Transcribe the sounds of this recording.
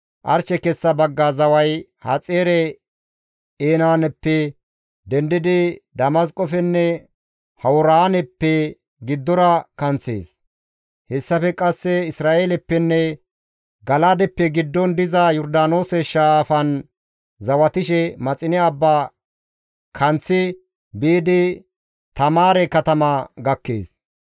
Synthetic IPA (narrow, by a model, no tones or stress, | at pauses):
ʔɐ̰ɾt͡ʃːɛkɛsːɐbɐɡːazɐwɐj | hɐt͡sʼeːɾɛ | eːnaːnɛpːɛ | d̪ɛnd̪ɪd̪ɪd̪ɐmɐs̬kʼɔfɛnːɛ | hɐwɔɾaːnɛpːɛ | ɡɪd̪ːɔɾɐkɐnt͡sḛːs | hɛsːɐfɛkʼɐsːɛɪsɾaːʔeːlɛpːɛnːɛ | ɡɐlad̪ɛpːɛɡɪd̪ːɔnd̪ɪzɐjɔɾd̪aːnoːsɛʃafɐn | zɐwɐt̪ɪʃɛmɐt͡sʼɪnɛɐbːaː | kʰɐnt͡sːɪ | biːd̪ɪ | t̪ɐmaːɾɛkɐt̪ɐmɐɡɐkːḛːs